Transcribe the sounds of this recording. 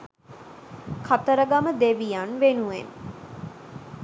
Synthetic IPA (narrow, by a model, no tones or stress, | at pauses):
kʰat̪əɾəɡaməd̪eʋijanʋenuen